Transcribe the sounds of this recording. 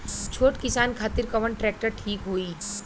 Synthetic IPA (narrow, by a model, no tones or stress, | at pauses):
t͡ʃʰoːʈkɪsaːnkʰaːt̪ɪɾkɐʋəɳʈɾɛːk̚ʈəɾʈʰiːkɦoːiː